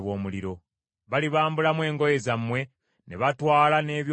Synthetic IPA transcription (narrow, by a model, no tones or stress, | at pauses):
βo̞ːmuliɾo̞ | βaliβaːmbulamwe̞ːŋɡo̞je̞zamːwe̞ | ne̞̰βatwaːlane̞ːβj